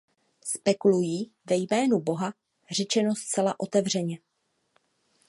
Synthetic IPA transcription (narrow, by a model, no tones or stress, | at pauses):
spɛkulujiːvɛjmɛːnubo̞ɦa | r̝ɛt͡ʃɛno̞st͡sɛlaʔo̞t̪ɛvr̝ɛɲɛ